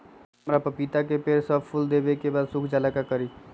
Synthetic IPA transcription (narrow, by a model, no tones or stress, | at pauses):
əmɾapəpit̪ak̬epeɾsəbpʊld̪eːbekebaːd̪sʊkʰd͡ʒaːlakakəɾiː